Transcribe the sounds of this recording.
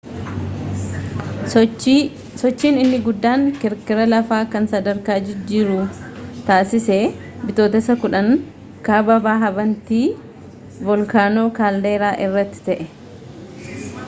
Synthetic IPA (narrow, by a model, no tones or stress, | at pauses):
sɔt͡ʃːiːnɪnːɪɡʊd̪ːaːŋkɪɾkɪɾɐlɐfaːkɐnsɐd̪ɐɾkaːd͡ʒɪd͡ʒːɪɾʊt̪aːsɪseː | bɪt̪o̞ːt̪ɐsɐkʊᶑɐŋ | kaːbɐbaːɦɐbɐnt̪iː | bɔlkaːno̞ːkaːld̪e̞ːɾaːʔɪrːɐt̪ːɪ̥t̪ɐʔɛ